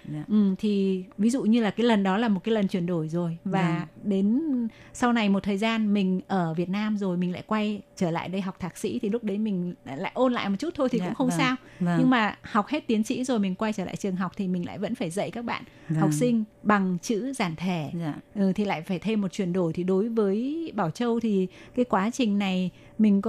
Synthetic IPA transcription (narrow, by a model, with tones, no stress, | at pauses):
ʔɨ˨˩t̪ʰi˨˩vi˨˦zṵ˧˨ɲɨ˧laː˨˩kaː˨˦jlə˨˩nɗɔ˨˦laː˨˩mo˨˩kaː˨˦lə˨˩nt͡ɕwi˧˩ənɗo˧˩jzo˨˩jvaː˨˩ɗe˨˦n | sa˧wna˨˩jmo˨˩t̚t̪ʰəː˨˩jzaː˧nmï˨˩ŋ̟ʔəː˧˩vi˨˩ət̚naː˧mzo˨˩jmï˨˩ŋ̟la̰ː˧˨jkwa˧jt͡ɕəː˧˩la̰ː˧˨jɗə˧jɦa˨˩wk͡p̚t̪ʰaː˨˩k̚sḭ˧˥t̪ʰi˨˩lʊ˦˥k͡p̚ɗə˨˦jmï˨˩ŋ̟la̰ː˧˨jʔo˧nla̰ː˧˨jmo˨˩t̚t͡ɕu˦˥t̚t̪ʰo˧jt̪i˨kʊ̰˧˥xə˧wŋ͡msaː˧wɲɲɨ˧ŋmaː˨˩ha˨˩wk͡p̚he˦˥t̚t̪i˨˦ənsḭ˧˥zo˨˩jmï˨˩ŋ̟kwa˧jt͡ɕəː˧˩la̰ː˧˨t͡ɕɨ˨˩əŋɦa˨˩wk͡p̚t̪ʰi˨˩mï˨˩ŋla̰ː˧˨jvə̰˧˥nfaː˧˩jzə̰˧˨jkaː˦˥k̚ɓa̰ː˧˨n | ha˨˩wk͡p̚sï˧ŋ̟ɓa˨˩ŋt͡ɕɨ̰˧˥zaː˧˩nt̪ʰe˧˩ʔɨ˨˩t̪ʰi˨˩la̰ː˧˨jfaː˧˩jt̪ʰe˧mːo˨˩t͡ɕwi˧˩ənɗo˧˩jt̪ʰi˨˩ɗo˨˦jvəː˨˦jɓaː˧˩wt͡ɕə˧wt̪ʰi˨˩kaː˨˦jkwaː˨˦t͡ɕï˨˩ŋ̟na˨˩j | mï˨˩ŋ̟